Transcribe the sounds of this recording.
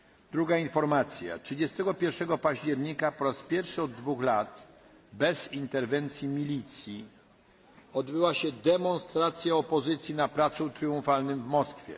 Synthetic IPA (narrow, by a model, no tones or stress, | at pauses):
d̪ɾuɡainfɔɾmat̪sʲja̰tʂɘd͡ʑɛst̪ɛɡɔpʲjɛɾʂɛɡɔpaʑd͡ʑɛɾɲikapɔɾaspʲjɛɾfʂɘɔd̪ːvuxlat̪ | bɛzint̪ɛɾvɛnt̪sʲjimʲilʲit̪sʲji | ɔd̪bɘwaɕɛd̪ɛmɔnst̪ɾat̪sʲjaɔpɔzɘt̪sʲjinapɾat̪sũt̪ɾɘũfalnɘmvmɔskfʲjɛ̰